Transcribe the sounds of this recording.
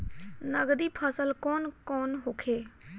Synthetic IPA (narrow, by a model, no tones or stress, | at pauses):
nəɡd̪ipʰəsəlkɔːnkɔːnɦoːkʰeː